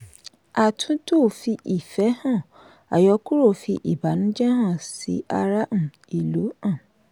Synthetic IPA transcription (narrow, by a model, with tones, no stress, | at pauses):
a˨tʰũ˨˦to˦˨fi˧ʔi˨fɛ˨˦hã˦˨ | a̰˨jɔ˨˧ku˦ɾo˦˨fi˧ʔi˨ba˨˦nũ˦d͡ʒɛ˦ɦã˦˨sḭ˨˦ʔa˧ɾa˦m̩̃˦˨ | i˨lo˨˦ã˦˨